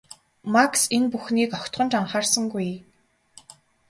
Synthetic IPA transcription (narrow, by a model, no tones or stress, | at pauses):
maksenpuxniːkɔkʲt̪ɢɞ̆nt͡ɕaɴχaːrsə̆ŋɡuj